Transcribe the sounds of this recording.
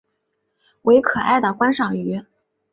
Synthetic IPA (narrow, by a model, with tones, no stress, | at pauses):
we˧˥ɪkʰɤ˨˩a˥˩ɪd̪ə˩kwa˥nʂɑ˨˩ŋy˧˥